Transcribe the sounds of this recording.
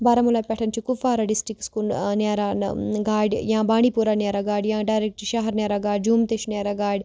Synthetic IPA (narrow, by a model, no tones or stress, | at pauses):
baːɾɐmulapʲɛʈʰɐnt͡ʃʰikufaːɾɐɖisʈikskunnjaːɾan̰ɡaːɽʲjãːbaːɽ̃ipuɾanjaːɾaɡaːɽʲjãːɖaːjɾek̚ʈʃɐɦɐɾnʲjaːɾaɡaːɽʲd͡ʒuːmt̪eʃnjaːɾaɡaːɽʲ